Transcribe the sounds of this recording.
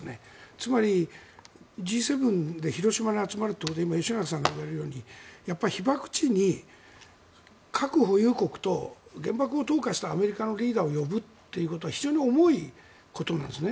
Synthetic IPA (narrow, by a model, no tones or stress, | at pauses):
net͡sɨmaɾʲi | d͡ʑiːse̞bɯ̟̃nd̪e̞çiɾo̞ɕimaneat͡sɨmaɾɯ̟t̪ːokːod̪eimajoɕinakas̬ãŋɡaɯβaɾeɾɯ̟jo̞ːɲ̟ijapːaɾʲiçibakɯ̟̥t͡ɕiɲ̟i | kʰakɯ̟ɦo̞jɯ̟ːko̞kɯ̟̥t̪o̞ɡẽ̞mbakɯ̟o̞t̪o̞ːkaɕi̥t̪aːme̞ɾʲikano̞ɾʲiːd̪aːo̞jo̞bɯ̟t̪ːe̞jɯ̟ko̞t̪o̞açiʑo̞ːɲ̟io̞mo̞i | ko̞t̪o̞nã̰nd̪esɨne